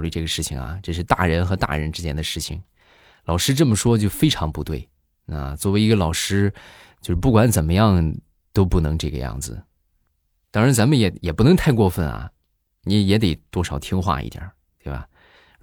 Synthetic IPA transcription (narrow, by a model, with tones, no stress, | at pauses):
ly˥˧ʈ͡ʂɤ˥˩ɡə˩ʂɻ̩˥˩t͡ɕʰḭ˨˩ŋɐ̰˨˩ʈ͡ʂɤ˥˧ʂ̬ɻ̩˥˧t̪a̰˥˩ɻə˧˥nxɤ˧˥t̪a̰˥˩ɻə˧˥nʈ͡ʂɻ̩˥t͡ɕjɛ˥nd̪ə˨˧ʂɻ̩˥˩t͡ɕʰḭ˨˩ŋ | lɑ˨˩ʊʂɻ̩˥ʈ͡ʂə˥˩mə˩ʂwɔ˥t͡ɕjo˥˧˩ʊfe˥ɪʈ͡ʂʰɑ˧˥ŋpu˧˥t̪we˥˩ɪ | a̰˧˩t͡swɔ˥˩we˧˥ɪi˧˥ɡə˧lɑ˨˩ʊʂɻ̩˥ | t͡ɕjo˥˧ʊʂɻ̩˥˧p̬u˥˩kwa˧˥nt͡sə˨˩nmə˦jɑ˥˩ŋ | t̪o˥ʊpu˥˩nɤ˧˥ŋʈ͡ʂɤ˥˩ɡə̰˧jɑ̰˥˩ŋd͡zɹ̩˩ | t̪ɑ˥ŋɻa˧˥nt͡sa˧˥nmə˨njɛ˨˥jɛ˨˩pu˥˩nɤ˧˥ŋt̪ʰa˥˧ɪkwɔ˥˧fə˥˩nɐ̰˩ | ni˧˥jɛ˧˥t̪̬e˨˩ɪt̪wɔ˥ʂɑ˨˩ʊt̪ʰi˥ŋxwa̰˥˧ḭ˥˩t̪ja̰˨˧˩ | t̪we˥˩ɪbɐ̰˨˩